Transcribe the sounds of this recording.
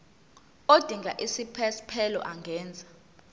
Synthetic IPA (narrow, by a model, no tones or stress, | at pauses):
od̥ʱiŋɡʱaʔisipʰɛspʰɛlɔ̰ʔaŋɡʱɛːnd͡zʱa